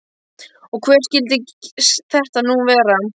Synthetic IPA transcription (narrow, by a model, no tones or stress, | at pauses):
ɔɣkʰvɛːɾ̥scɪlt̪ɪcsθɛht̪anuːvɛːɾa